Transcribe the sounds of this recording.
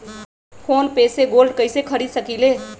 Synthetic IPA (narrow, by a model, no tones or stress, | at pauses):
pʰonpeseɡolɖkəɪjsekʰəɾisəkile